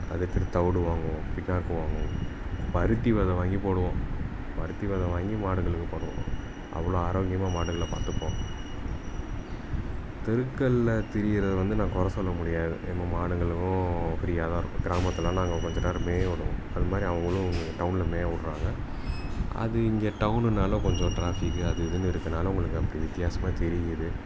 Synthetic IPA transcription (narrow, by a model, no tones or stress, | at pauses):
ɐ̰ðɐt̪ːɐɾt̪ɐʋɯɽɯʋaːŋɡʊ̃pɪnːaːɾɯkːɯ̃ʋaːŋɡʊ̃pɐɾɯt̪ːiʋɐðɐʋaːŋɡipoːɽɯʋõː | pɐɾɯt̪ːiʋɐðɐʋaːŋɡimaːɽɯŋɡɐɭɯkːɯ̃poːɽɯʋõ̰ | ʔɐ̰ʋːɐɭoːaːɾoːŋɡɪjɐmaːmaːɽɯŋɡɐɭɐpa̰ːt̪ɯpːõː | t̪ɛɾɯkːɐɭːt̪ɛɾɪjɪɾɐðɯʋɐnd̪ɯnãːkɔɾɐsɔlːɐmʊɽɪjaːðɯ̰ʔɛnːɐmaːɽɯŋɡɐɭɯkːʊ̃pɪɾɪjaːðaːɪɾɯkːʊ̃ɡɪɾaːmɐt̪ːɐlːãːnaːŋɡɐkɔɲd͡ʒɔnaːɾmeːʋʊɽɯ̰̃ɐðɯmaːd̪ɾiɐʋɐŋɡɐɭʊ̃ʊŋɡɐʈɐʊnɪlɐmeːʋʊɽɾaːŋɡɐ | ɐ̰ðɯɪŋɡɐʈɐʊnɯnaːlɐ̃kɔɲd͡ʒɔ̃ʈɾaːfɪkːɯɐðɯɪðɯnːɯɪɾɯkːɯnaːlɐʊ̃ŋɡɐɭɯkːɯɐpːɐɽiʋɪt̪ːɪjaːsɐmaːt̪ɛɾɪjɐðɯ